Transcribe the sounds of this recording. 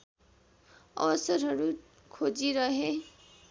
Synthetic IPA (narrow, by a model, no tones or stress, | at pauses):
ʌ̰bʌsʌɾɦʌɾu | kʰod͡ʒiɾʌɦe